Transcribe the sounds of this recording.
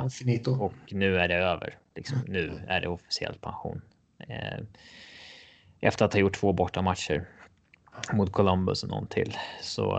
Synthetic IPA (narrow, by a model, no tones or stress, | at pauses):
sɪnit̪ʊɔknʉ̟ːæɖɛøːvə̰ɾlɪksɔmnʉ̟ːæ̰ɖɛɔfɪ̥sɪɛ̰lt̪̚pʰanɧṵːn | ʔɛft̪əɾat̪hɑːjʊʈːʰv̥oːbɔʈːamat̪ʂəɾ | mʊt̪̚kʰɔlɔmbʊsɔnɔ̰nt̪ʰɪlːsɔ̰